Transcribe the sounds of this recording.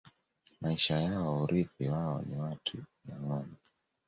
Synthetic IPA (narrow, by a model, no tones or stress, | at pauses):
maiʃajaɔuɾʔipiwaɔ̰niwatʰujaŋɔma